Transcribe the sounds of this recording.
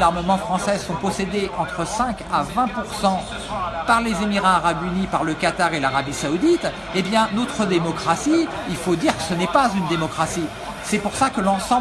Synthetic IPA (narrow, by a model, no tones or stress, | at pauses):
laʁməmɑ̃fχɑ̃sɛsɔ̃pɔsed̪eʔɑ̃t̪χəsɛ̃kavɛ̃puʁsɑ̃ | paʁlezemiʁaːʁabynipaʁləkat̪aʁelaʁabisaud̪it̪ | ebjɛ̃not̪χəd̪emɔkχasi | ilfod̪iʁkə̥sənɛpazynd̪emɔkχasi | sɛpuʁsakəlɑ̃sɑ̃